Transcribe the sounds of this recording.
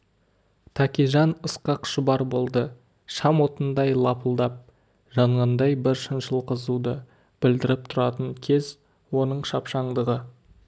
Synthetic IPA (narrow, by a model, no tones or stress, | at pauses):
t̪ʰɑkʲiʒɑnəsqɑqʃʊbɑɾbo̞lˠd̪ə | ʃɑmwo̞t̪ənd̪ɑjlˠɑpəlˠd̪ɑp̚ | ʒɑɴʁɑnd̪ɑjbɪɾʃənʃəlˠqəzud̪ə | b̥ɪld̪ɪɾɪp̚t̪ʰʊɾɑt̪əŋkʲʰe̞z | wo̞nəɴʃɑpʃɑɴd̪əʁə